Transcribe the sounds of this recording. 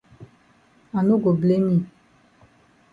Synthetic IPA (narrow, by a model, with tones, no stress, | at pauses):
a˨nu˦ɡo˨ble˦mĩ˦˨